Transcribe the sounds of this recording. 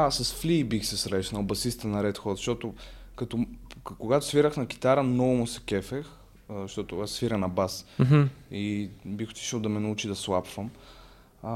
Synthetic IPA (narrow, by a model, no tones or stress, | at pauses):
asɐsflibixsɛsɾɛʃnɐlˠbɐsist̪ənɐɾɛt̪xɔzʃt̪ɔt̪ʊkɐt̪ɔkoɡat̪ʊ̥sviɾəxnɐk̟i̥t̪aɾənɔvʊmʊsɛ̥kɛfɛx | zʃt̪ɔt̪ʊasːviɾənɐbas̩ | ibixo̥t̪i̥ʃəlˠd̪ɐmɛnɐut͡ʃid̪ɐslˠapvəm